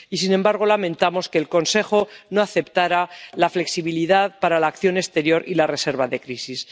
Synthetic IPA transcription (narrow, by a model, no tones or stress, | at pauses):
isinembaɾɣ̞o̞lamẽ̞nt̪amo̞skeːlko̞nse̞xo̞no̞aθe̞pt̪aɾalafle̞ksiβiliðaðpaɾalaːkθjo̞ne̞st̪e̞ɾjo̞ɾilare̞se̞ɾβaðe̞kɾisis